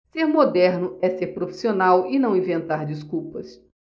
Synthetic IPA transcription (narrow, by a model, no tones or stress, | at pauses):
seɾmod̪ɛɾnʊɛseɾpɾofi̥sionawɪnɐ̃w̃ĩvẽnt̪aɾd͡ʒiskuwpɐs